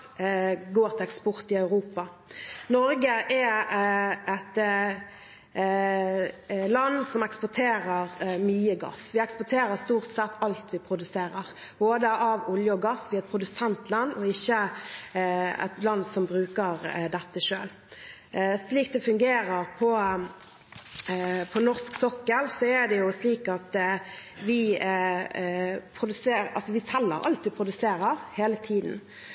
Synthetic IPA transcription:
ɡoːɾt̪ʰɪlɛkspɔʁt̪ɪɑʉʁuːpɑ | nɔɾɡəʔɛ | ɛt̪ | lɑnsɔmɛkspʊʈʰeːɾəɾmyːəɡɑ̰sʋɪɛkspʊʈʰeːɾəst̪uːʁt̪sɛt̪ʰːɑlt̪ʋɪpʰʁʊd̪ʉseːɾəʁ | b̥oːd̪əʔɑʋʊljəɔɡɑsʋiːɑɛt̪̚pʰʁʊd̪ʉsɛnt̪ʰlɑnːɔɪçːə | ɛ̰t̪lɑnːsɔmbɾʉːkəʁd̪ɛt̪ːəʂøːl | sliːk̚d̪ɛfʉŋɡeːɾəʁpʰɔ | pʰɔnɔʁsksɔkːəlsɔæd̪ɛjʊsliːkɑt̪ | ʋɪ | pʰɾʊd̪ʉseːɑ̰lsɔʋɪsɛlːə̰ɾɑ̰lt̪ʋɪpʰʁʊd̪ʉseːɾəʁheːlət̪ʰiːd̪n̩

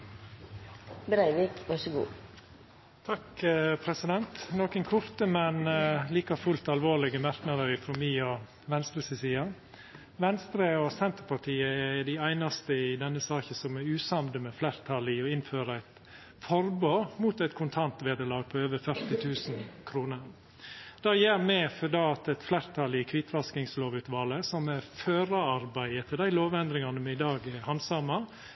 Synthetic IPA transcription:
bɾæɪʋɪkʋɑʂəɡṵː | t̪ʰɑkəpʰɾɛsɪd̪ɛnt̪noːkənkʰʊɾt̪əmɛnliːkɑfʉlt̪ɑlʋoːlɪɡəmɑɾknɑd̪əɾɪfɾɔmiɔ | ʋɛnst̪ɾəsɛsiːɑ | ʋɛnst̪ɾəɔsɛnt̪əɾpʰɑʈʰiːəɛɛɖ̪ɪæɪnɑst̪əɪd̪ɛnːəsɑːçəsɔmæɾʉːsɑmd̪əmɛːflæɾt̪ʰɑlɪɔɪnføːɾəæɪt̪ | fɔɾboːmuːt̪æɪt̪kʰʊnt̪ʰɑnt̪ʋeːd̪əɭɑːɡ̚pʰɔøːʋəɾfœɾt̪ɪt̪ʰʉːsn̩kʰɾuːnəɾ | d̪̥ɑːjæːɾmɛfɔd̪ɑːɑt̪ɛt̪flæɾt̪ʰɑlɪkʰʋɪt̪ʰʋɑskɪŋsloːʋʉːt̪ʋɑːləsɔmɛɾføːɾəɑɾbæɪət̪ʰɪld̪æɪloːʋɛnd̪ɾɪŋɑnəmɛɪd̪ɑːɡhɑnsɑmɑ

